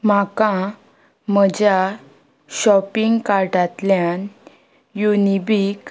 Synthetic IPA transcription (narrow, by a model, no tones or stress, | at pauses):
m̤akã | m̤əd͡ʑa | ɕɔpiŋɡkaɾʈat̪ljan | junibik